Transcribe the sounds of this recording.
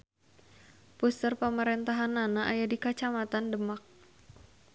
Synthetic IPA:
pust̪ərpamaɾɛnt̪aɦananaʔajadikat͡ʃamat̪andəmak̚

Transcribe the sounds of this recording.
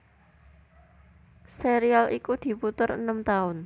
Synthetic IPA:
seɾialʔikud̪̥i̤put̪ʊɾə̰nəmt̪aʊn

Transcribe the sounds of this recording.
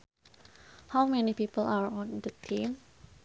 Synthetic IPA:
hawmɛnipipəlaɹɔ̃nd̪ut̪ʰĩm

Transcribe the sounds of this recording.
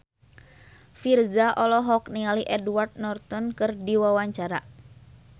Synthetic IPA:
firzaʔɔlɔɦɔk̚nialiʔɛdwart̪̚nɔrt̪ɔnkɨrdiwawaɲt͡ʃaɾa

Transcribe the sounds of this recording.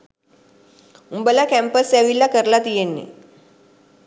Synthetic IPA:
umbəlakæmpəsaʋilːakəɾlat̪ijenːḭ

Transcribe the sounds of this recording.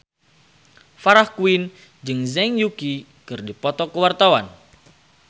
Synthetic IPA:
faɾahkuin | d͡ʒɨŋzɛŋjuki | kɨrdipɔt̪ɔkəwart̪awan

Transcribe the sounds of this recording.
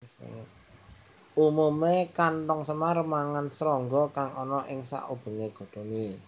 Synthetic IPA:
s | umumekantɔŋsəmaɾəmaŋansɾɔŋɡɔkaŋɔnɔʔɪŋsa̰ʔub̥ə̤ŋeɡ̥ɔ̤d̪̥o̤ni

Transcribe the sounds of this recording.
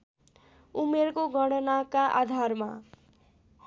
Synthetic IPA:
umeɾkoɡʱʌɽʌnakaʔa̰d̪ʱarma̰

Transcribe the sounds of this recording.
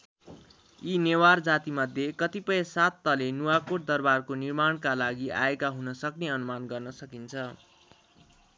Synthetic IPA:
ineward͡zat̪imʌd̪ʱjekʌt̪ipʌjesat̪ːʌlenuakoʈ̚d̪ʌrbarkonirmaɽ̃kalaɡia̰ekaɦunʌsʌkneʌnumanɡʌrnʌsʌkint͡sʰʌ

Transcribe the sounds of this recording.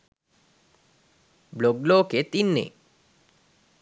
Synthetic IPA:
bloɡloːket̪inːḛ

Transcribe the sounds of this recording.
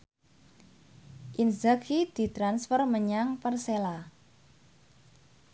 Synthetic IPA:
ʔinzakid̪̥i̤t̪ɾansfərməɲaŋpərsela

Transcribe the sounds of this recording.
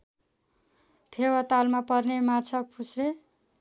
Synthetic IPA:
pʰewat̪almapʌrnemat͡sʰʌpʰusre

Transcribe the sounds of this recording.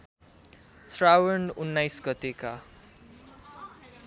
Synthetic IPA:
srawʌnunːajsɡʌt̪eka

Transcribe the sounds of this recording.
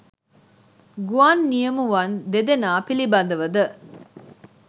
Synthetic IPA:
ɡuaːnːijɐmuʋɐnd̪ed̪enaːpilibɐnd̪əʋəd̪ə

